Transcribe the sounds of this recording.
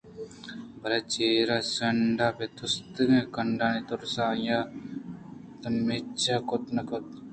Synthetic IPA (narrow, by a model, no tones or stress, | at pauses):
bɐɾat͡ʃeːɾasɐɳɖaːpet̪ʰust̪ɨnekɐɳɖaːnit̪oɾsaːjaː | t̪ɐmːeːt͡ʃʰakot̪nɐkot̪̚